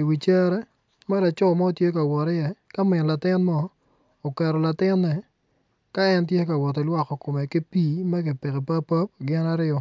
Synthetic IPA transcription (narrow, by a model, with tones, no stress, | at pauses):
i˨wi˨t͡ʃɛ˦ɾɛ˦ | ma˦la˨t͡ʃɔ˦mɔ˦o˨tje˦ka˨wɔ˨tɪ˦jɛ˦ka˦mɪ˨la˨tɪ˦nmɔː˦˨ | kɛ˨ɾɔ˨la˨tɪ˦nːɛ˨ | ka˦ɛ˦nt̬je˦ka˨wɔ˨tɛ˨lwa˦kɔ˨ko˨mɛ˨ki˦pi˦mɛ˦kɪ˨pɪ˨kɛ˨pa˦pa˦p̚ɡɪ˦na˦ɾɪɔ˦˨